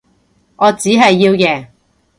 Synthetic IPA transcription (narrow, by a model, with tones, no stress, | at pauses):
ŋʔɔː˨˧t͡siː˨˥ɦɐ˨jːiː˧wjɛː˨˧